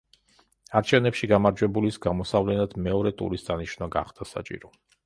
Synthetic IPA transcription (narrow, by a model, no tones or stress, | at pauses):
aɾt͡ʃʰɛvnɛpʃiɡamaɾd͡ʒwɛbulisɡamɔsavlɛnad̪mɛɔɾɛt̪ʼṵɾisd̪aniʃnaɡa̰χd̪̥asa̰t͡ʃʼḭɾɔ